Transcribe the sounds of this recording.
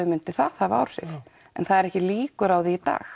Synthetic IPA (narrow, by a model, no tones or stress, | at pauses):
ʏmɪnt̪ɪθað̥hava̰wɾ̥sɪ̰θ | ɛ̰nθaðɛɾɛhcɪliːkʏɾawðiːt̪a̰ːx